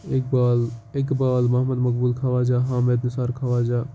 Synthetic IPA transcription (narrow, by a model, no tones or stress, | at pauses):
ek̚baːleːkbaːlmɐɦməd̪mɐkbuːlkʰaːʋaːd͡ʒaːɦãːmeːd̪nɪsaːɾkʰaːʋaːd͡ʒaː